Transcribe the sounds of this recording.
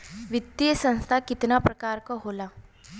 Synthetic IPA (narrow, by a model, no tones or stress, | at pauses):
ʋit̪ːiəsə̃ñst̪ʰakit̪napɾəkaɾkɔɦola